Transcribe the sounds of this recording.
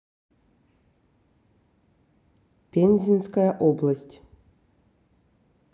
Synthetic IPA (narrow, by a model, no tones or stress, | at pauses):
pʲenʲzʲinskajəʔoblˠəsʲtʲ